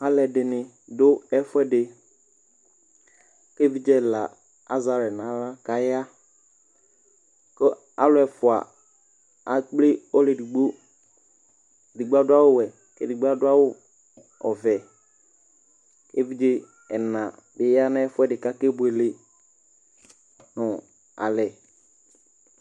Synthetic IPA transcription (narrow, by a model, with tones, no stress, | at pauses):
a˦lɛ˨dɪ˨nɪ̃˨ | dʊ˦ɛ˦fʊ˦ɛ˦dɪ˨ | ke˦vi˦d͡ʒɛ˦la˨ | a˦za˨ɾɛ˨nã˨˦la˦ka˨ja˦ | kɔ˦ | a̰˦lʊ˦ɛ˨fʊ˨a̰˨ | a˨k͡ple˦ɔ˦le˨di˨ɡ͡bo˦ | di˨ɡ͡bo˦a˦dʊ˦a˦wʊ˦wɛ˨ | kɛ˦˨di˨ɡ͡ba˦dʊ˦a˦wʊ˦ | ɔ̰˨vɛ˨ | ke˦vi˦d͡ʒe˦ | ɛ˨nã˨ | bɪ˨ja˦nɛ˦fʊ˦ɛ˦dɪ˨ka˦kɛ˦bʊ˨ɛ˨le˨ | nʊ̃˨ | a̰˨lɛ˨